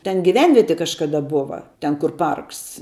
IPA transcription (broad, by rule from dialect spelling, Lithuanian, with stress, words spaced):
ˈtʲɛn ɡʲɪˈʋʲɛnʲʋʲiɛtʲɪ kɐʃkɐˈdɐ ˈboːʋɐ tʲɛn kʊr ˈpɐrks